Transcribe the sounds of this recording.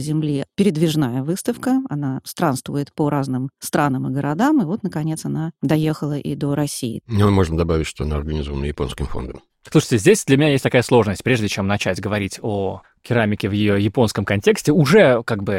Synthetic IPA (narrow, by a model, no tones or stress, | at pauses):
zʲɪmlʲipʲɪɾʲɪd̪vʲɪʐnajəvɨst̪əfkəɐnast̪ɾanst̪vʊjɪt̪pəɾaznɨmst̪ɾanəmɨɡəɾʔɐd̪amɨvo̞t̪nəkɐnʲe̞t̪sɐnad̪ɐjexəlˠəʔḭd̪o̞ɾɐsʲḭjɪ̰nomo̞ʐnəd̪ɐbavʲɪtʲʂt̪oɐnaɐrɡɐnʲɪzovənəjɪpo̞nskʲɪmfo̞̰nd̪əm | slˠuʂə̥tʲɪzʲdʲesʲd̪lʲəmʲɪnʲajesʲtʲt̪ɐkajəslˠo̞ʐnəsʲtʲpɾʲeʐdʲɪt͡ɕe̞mnɐt͡ɕætʲɡəvɐɾʲitʲo | kʲɪɾamʲɪkʲɪvjɪjo̞jɪpo̞nskəmkɐnʲtʲe̞ksʲtʲɪʊʐɛkaɡ̚bɨ